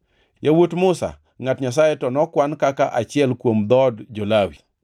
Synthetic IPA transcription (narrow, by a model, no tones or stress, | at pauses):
jawotmʊsa̰ | ŋatɲas̬ajetɔnɔkwankakaʔat͡ʃɪɛlkwomd̪ɔdd͡ʒolawḭ